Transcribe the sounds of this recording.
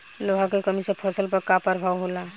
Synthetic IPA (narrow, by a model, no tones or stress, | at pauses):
loɦãkekəmisepʰɔsəlpəɾkapəɾbʱaʋɦola